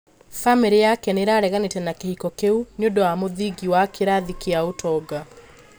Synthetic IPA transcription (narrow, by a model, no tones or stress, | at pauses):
fameɾejakɛneɾaɾɛɣanetɛnakehikɔkeuɲondɔwamoðiɡiwakʰeɾaðikeaotʰɔɡa